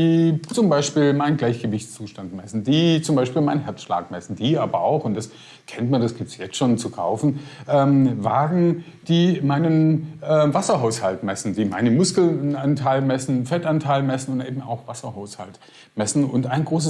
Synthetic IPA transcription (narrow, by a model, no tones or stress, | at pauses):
iːt͡sʊmbaɪʃpiːlmaɪnənɡlaɪçɡ̥əvɪçt͡st͡suːʃtantmɛsn̩diːt͡sʊmbaɪʃpiːlmaɪnhɛɐt͡sʃla̰ːkmɛsn̩d̥iːʔaːbɐa̰ʊxʊnt̚d̥as | kʰɛntmandasɡ̥iːp̚tsjɛt͡stʃoːnt͡sukʰa̰ʊfn̩ʔɛːmvaːɡŋ̩d̥iːmaɪnənʔɛːvasɐɦaʊshaltmɛsn̩diːma̰ɪnəmʊskl̩antʰaɪlmɛsn̩fɛtantʰaɪlmɛsn̩ʊntʔeːbm̩a̰ʊxv̥asɐɦaʊsha̰lt | mɛsn̩ʊntaɪnɡʁoːs̬ə